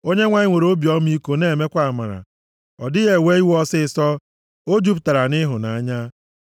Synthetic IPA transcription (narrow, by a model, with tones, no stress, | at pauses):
o˦ɲe˦ŋʷa˨˦ɲɪ˦ŋʷe˨ɾo˦bjɔ˦m˦i˦ko˦ne˦˨me˦kʷa˦a˨ma˨ɾa̰˨ | ɔ̰˨dɪ˦ɣe˨we˦i˦wɔ˦sɪ˦sɔ˦ | o˦d͡ʒu˦p̬ta˨ɾa˨nɪ˦ɦʊ˨na˨a˦ɲa˦